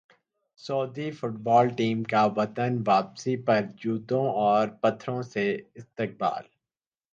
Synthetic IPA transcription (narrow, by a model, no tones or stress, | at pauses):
sɔːd̪ifʊʈbɔːlʈiːmkaʋɐt̪ənʋaːpsipɐɾd͡ʒuːt̪õɔːɾpɐt̪ʰːɾõseɪst̪ɪk̚ba̰ːl